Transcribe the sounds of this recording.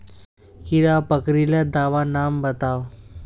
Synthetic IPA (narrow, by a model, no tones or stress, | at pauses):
kiɾapəkɾilad̪aʋanambət̪aw